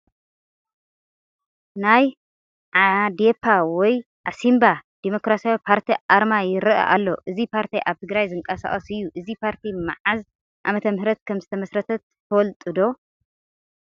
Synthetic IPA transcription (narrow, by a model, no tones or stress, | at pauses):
naj | ʕad̪epʰawɔj | ʔasimbad̪̥emo̞kɾasjawipʰaɾt̪ʰiʔaɾmajɪɾɨʔɐ̰ʔa̰lːo̞̰ʔɨzipʰaɾt̪ʰiʔaβt̪ʰɨɡɾajzɨŋkʼɐsa̰χʼɐsɨjːuʔɨzipʰaɾt̪ʰima̰ʕaz | ʔa̰mɐt̪ʰɐmhɾɐt̪̚kʰɐmzɨt̪ʰɐmɐsɾɐt̪ʰɐt̪ːʰ | ɐwɔlt̪ʼɨd̪o̞